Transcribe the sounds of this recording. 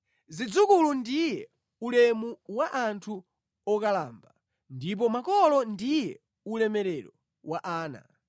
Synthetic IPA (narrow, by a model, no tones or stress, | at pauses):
zid͡zukulundijɛ | ulɛmuwaʔantʰu | ɔkalaːmba | ndip̬ɔmakɔlɔndijɛ | ulɛmɛɾɛɾɔ | waʔaːna̰